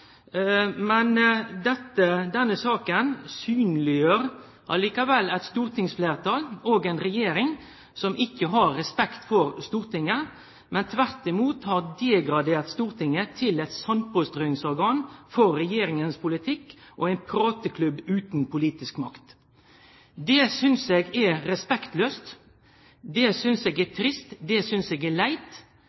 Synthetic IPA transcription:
mɛnd̪ɛt̪ːəd̪ɛnːəsɑːkənsyːnlɪjøːɾ | ʔɑliːkɑʋɛlːɛɪt̪st̪uːɾt̪ɪŋsfleːʁt̪ʰɑːloːɡæɛɪnɾɛjeːɾɪŋ | sɔmʔɪkːəɦɑɾːɛspɛkt̪fɔɾst̪uːɾt̪ɪŋːə | mɛnt̪ʰʋæɾt̪ɪmuːt̪hɑʁd̪eːɡɾɑd̪eːɾt̪st̪uːɾt̪ɪŋːət̪ʰɪlɛt̪sɑn̚pɔst̪ɾœːɪŋsɔɾɡɑːnfɔɾːɛjeːɾɪŋənspʰʊlɪt̪ʰɪkːʔo̰æɪnpʰɾɑːt̪əkʰlʉbʉːt̪npʰʊliːt̪ɪskmɑkt̪ | d̪ɛsʏnseɡɛɾɛspɛkt̪løːst̪ | d̪ɛsʏnseːɡæt̪ʰɾɪst̪d̪ɛsʏnseːɡælæɪt̪

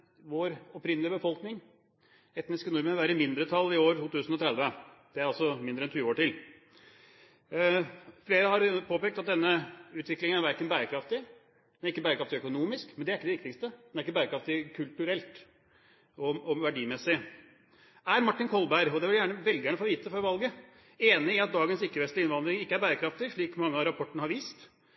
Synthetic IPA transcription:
ʋoːɾɔpɾɪnːəlɪəbəfɔlknɪŋ | ɛt̪nɪskənʊɾmənʋæːɾəmɪnd̪ɾət̪ʰɑlːɪoːɾʈuːt̪ʉːsn̩ɔt̪ʰɾɛd̪ʋə | d̪̥ɛæɾɑlsɔmɪnd̪ɾəɛnt̪ʰyːoːʈɪl | fleːɾəhɑɾpʰoːpeːkt̪ɑt̪̚d̪ɛnːəʉːt̪ʋɪklɪŋənæɾʋæɾkənbæːɾəkʰɾɑft̪ɪ | d̪næɾɪkːəbæːɾəkʰɾɑft̪ɪœkʊnuːmɪskmɛnd̪ɛæɾɪkːəd̪ɛʋɪkt̪ɪkst̪əd̪ɛnæɾɪkːəbæːɾəkʰɾɑft̪ɪkʰʉlt̪ʉɾɛlt̪ | ɔɔʋæɖiːmɛsɪ | æɾmɑʈːɪnkʰɔlˠbæɪɾɔd̪ɛʋɪljæːɳəʋɛld̪ɪɡæːɳəfoːʋiːt̪əəfɔɾʋɑlɡə | eːnɪɪɑt̪̚d̪ɑːɡənsɪkːəʋɛst̪lɪɪnʋɑnd̪ɾɪŋɪkːəæɾbæːɾəkʰɾɑft̪ɪʂɭiːkmɑŋːəɑɾɑpʰɔʈːəɳəhɑɾʋiːst̪

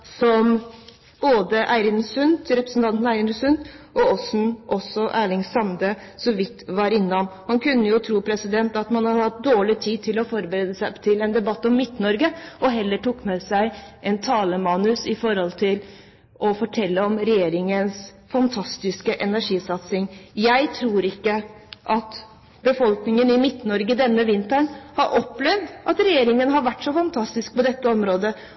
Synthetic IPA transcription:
sɔm | b̥oːd̪əʔæɪɾɪnsʉnt̪ɾɛpɾəsn̩t̪ʰɑnt̪næɪɾɪnəsʉnd̪ʔɔɔsn̩ʔɔsːɔʔæːɭɪŋsɑmd̪ə | sɔʋɪt̪ːʋɑɾɪnːɑmhɑnkʉnːəjʊt̪ʰɾuːpʰɾɛsɪd̪ɛnt̪ɑt̪mɑnhɑɾhɑt̪̚d̪oːɭɪt̪ʰiːt̪ʰɪlɔfɔɾbəɾeːd̪əsæt̪ʰɪlɛnd̪ɛbɑt̪ːɔmːɪt̪ːnɔɾɡəɔɦɛlːəʈukːmɛsæɪʔɛnt̪ʰɑːləmɑːnʉsɪfɔɾhɔlt̪ʰɪl | ʔɔfɔʈʰɛlːəɔmɾɛjeːɾɪŋəns | fɑnt̪ʰɑst̪ɪskəʔɛnæʂiːsɑt̪sɪŋjæɪt̪ʰɾuːɾɪkːəʔɑt̪ | bəfɔlknɪŋənɪmɪt̪ːnɔɾɡəd̪ɛnːəʋɪnt̪əɳhɑɾʔɔpːlɛʋd̪ʔɑt̪ɾɛjeːɾɪŋənɦɑɾʋæʈːʂɔfɑnt̪ʰɑst̪ɪsk̚pɔd̪ɛt̪ːəɔmɾoːd̪ə

